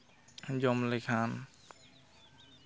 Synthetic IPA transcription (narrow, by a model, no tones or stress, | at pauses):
d͡ʒɔmlekʰan